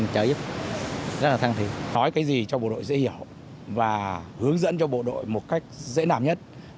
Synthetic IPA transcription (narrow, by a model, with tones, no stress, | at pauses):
t͡ɕəː˨˦ʔi˦˥əp̚ | zə˦˥t̚laː˨˩t̪aː˧ŋt̪ʰi˨˦nɔ˨˦jkaː˨˦jzi˨˩t͡ɕɔ˧ɓo̰˧˨ɗo̰˧˨jzḛ˧˥hi˧˩əw | vaː˨˩hɨ˨˦əŋzə̰˧˥nt͡ɕɔ˧ɓo̰˧˨ɗo̰˧˨jmo˨˩t̚ka˦˥jk̟̚zḛ˧˥naː˧˩mɲə˦˥t̚